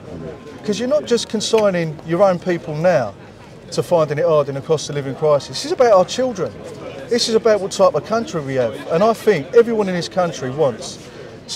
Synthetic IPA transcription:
kʰʌzjənət̚d̥ʒ̥ʌskʰə̃nsãɪ̃nɪ̃ŋjəɹə̃ʊ̃npʰiˑpʰəlˠnaʊ | tʰəfãɪ̃ndɪ̃ŋɪtɑːdɪ̃nəkʰɹ̥ɔstəlɪvɪ̃ŋkʰɹ̥aɪsɪsɪzəbaʊtaʊət͡ʃʰɪlˠdɹə̃nðɪsɪzəbaʊʔwɒttʰaɪpəkʰʌ̃nt͡ʃɹ̥iwiəvə̃naɪθɪ̃ŋkɛvɹiwʌ̃nɪ̃nɪz̥kʰʌ̃nt͡ʃɹ̥iwʌ̃ns

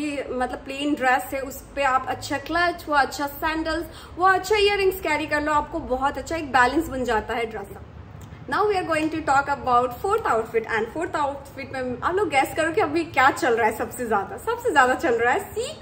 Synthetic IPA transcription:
imɐt̪ləb̚plẽːnɖɾɛsɦɛʊspeaːpɐtːʃʰaklɐt͡ʃʋoɐtːʃʰasɛ̃ːɳɖəlz | ʋoɐtːʃʰaiəɾɪ̃ŋɡskɛːɾikɐɾloaːp̚kobɔɦɔt̪ɐtːʃʰaeːk̚bɛːlə̃nsbɐnd͡ʒaːt̪aɦɛɖɾɛsa | naːʊʋiaːɾɡoːɪ̃ŋʈuʈɔːkɐbaʊʈfoːɾt̪ʰaʊʈfɪʈɛ̰̃ɳɖfoːɾt̪aʊʈ̪fɪʈmẽa̰ːploːɡɡɛskɐɾõkiɐbʱikjaːt͡ʃɐlɾaɦɛsɐbsezjaːd̪asɐbsezjaːd̪at͡ʃɐlɾaaɦɛsiːk

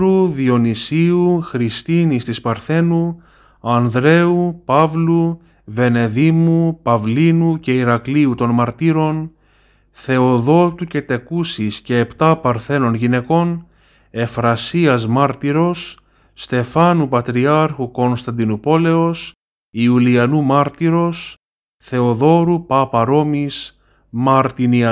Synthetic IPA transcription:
ɾuðio̞nisiuxɾist̪inist̪ispɐɾθe̞nu | ɐnðɾe̞upɐvlu | ve̞ne̞ðimupɐvlinuce̞iɾɐkliut̪o̞nmɐɾt̪iɾo̞n | θe̞o̞ðo̞t̪uce̞t̪e̞kusisce̞ːpt̪ɐpɐɾθe̞no̞nʝine̞ko̞n | e̞fɾɐsiɐzmɐɾt̪iɾo̞sː | t̪e̞fɐnupɐt̪ɾiɐɾxuko̞nst̪ɐnd̪inupo̞le̞os | iuliɐnumɐɾt̪iɾo̞s | θe̞oðo̞ɾupɐpɐɾo̞mis | mɐɾt̪iniɐ

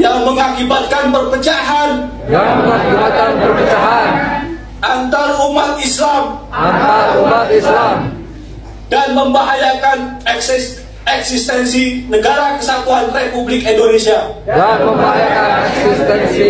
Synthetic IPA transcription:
jaŋməŋakibat̪̚kanpərpət͡ʃaɦan | jaŋməŋakubat̪̚kanpərpət͡ʃaɦan | ʔant̪arumat̪̚islamant̪aɾumat̪̚islam | danməmbaɦajakanɛks | ɛksist̪ɛnsinəɡaɾakəsat̪uɦanrepublɪkindonesiadanməmbaɦajakanɛksist̪ɛnsi

